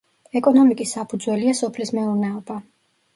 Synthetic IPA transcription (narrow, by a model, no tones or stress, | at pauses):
ɛkʼɔnɔmikʼisːapʰud̪zwɛliasɔpʰlismɛuɾnɛɔba